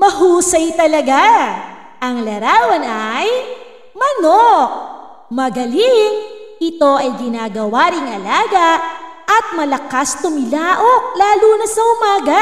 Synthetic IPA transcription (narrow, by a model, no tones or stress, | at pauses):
mɐɦuːsɐjt̪ɐlɐɡa | ʔɐŋlɐɾaːwɐnʔaj | mɐnok̚ | mɐɡɐliŋʔɪt̪o̞ʔɐjɡɪnaːɡɐwaːɾɪŋʔɐlaːɡɐʔɐt̪̚mɐlɐkast̪ʊmɪlaːʔok̚laːluːnɐsɐʔʊmaːɡɐ